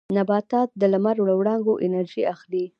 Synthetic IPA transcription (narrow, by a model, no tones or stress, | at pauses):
nabɑt̪ɑt̪̚d̪əlamaɾwɽawɽɑŋɡoʔɪnaɾʒiaxli